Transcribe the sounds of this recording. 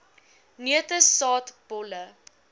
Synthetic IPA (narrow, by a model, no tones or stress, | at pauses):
niətəsɑːtb̥ɔlə